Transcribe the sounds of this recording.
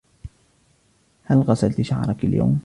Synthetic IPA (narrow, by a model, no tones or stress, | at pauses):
halɣɑsalt̪ʃaʕɾˤɑkalja̰wm